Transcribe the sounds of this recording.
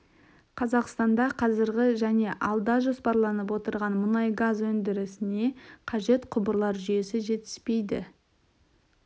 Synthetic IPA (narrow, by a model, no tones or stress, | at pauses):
qʰɑzɑqst̪ɑnd̪ɑqʰɑzɪɾɡʲɪʒæne̞ʔɑlˠd̪ɑʒo̞spɑɾlˠɑnəp̬wo̞t̪əɾʁɑnmʊnɑjɡazwɵnd̪ɪɾɪsɪne̞qʰɑʒe̞t̪qʰʊbəɾlˠɑɾʒʏje̞sɪʒe̞t̪ɪ̥spe̞jd̪ɪ̰